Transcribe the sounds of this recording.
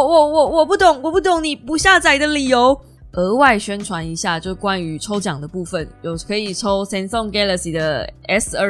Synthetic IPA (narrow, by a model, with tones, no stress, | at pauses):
wɔ˨˩wɔ˨˩wɔ˨˩pu˥˩t̪ʊ˨˩˦ŋwɔ˨˩pu˥˩t̪ʊ˨˩ŋni˨˩pu˧˥ɕja˥˧t͡sa˥˩ɪd̪ə˨li˨˩jo˧˦ʊ | ʔə˧˥˦wa˥˩ɪɕɥɛ˥nʈ͡ʂʰwa˧˦ni˧˥ɕja˥˧t͡ɕjo˥˩ʊkwa˦ny˧˥ʈ͡ʂʰo˥ʊt͡ɕjɑ˨˩ŋd̪ə˦pu˥˩fə˨˩njo˨˩ʊkʰɤ˧˦i˨˩ʈ͡ʂʰo˦ʊsɛ˥nsɔ˥˧ŋke˥lə˨si˨˩d̪ə˦ɛ˥sə˧